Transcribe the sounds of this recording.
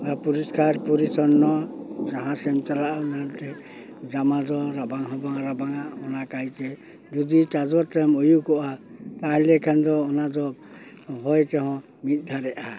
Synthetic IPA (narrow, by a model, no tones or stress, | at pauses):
apuɾiskaɾpuɾisɔɾnːɔzaɦãsɛmtalaʔnantɛ | zamazɔɾabaŋɦɔbaŋaɾabaŋaɔnakajt͡ʃɛ | d͡ʒɔditazɔtɛmɔjukɔʔataɦɛlɛkʰandɔɔnazɔb | ɦɔjtɛɦɔ̃ | mit̪̚ˀd̪ʱaɾɛʔa